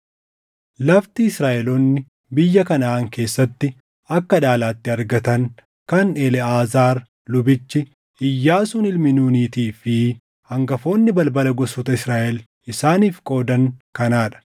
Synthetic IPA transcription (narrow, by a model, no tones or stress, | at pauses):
lɐft̪iɪsɾaːʔɛlɔnːɪ | bɪjːɐkɐnɐaːŋke̞ːsːɐt̪ːɪ | ɐkːɐᶑaːlaːt̪ːɪɐɾɡɐt̪ɐŋ | kɐnɛlɛaːzaːɾ | lʊbɪt͡ʃːɪ | ɪjːaːsʊnɪlmɪnuːniːt̪iːfɪ | hɐŋɡɐfo̞ːnːɪbɐlbɐlɐɡɔsɔt̪ɐɪsɾaːʔɛl | ɪsaːniːfkʼo̞ːd̪ɐŋkɐnaːᶑɐ̥